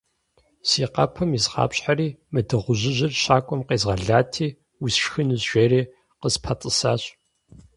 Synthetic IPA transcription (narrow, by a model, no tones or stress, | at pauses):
siːqɐ̰pʰɐmizʁɑ̰ːpɕʼħaɾiːmɨdɨʁʷʊʑɪʑɪrɕaːkʷʼɔmqeːzʁɐɮaːtʰiː | wʊsʃxɨnɨzʒʷeːɾiː | qəzpʰɐtʼɨsa̰ːɕʼ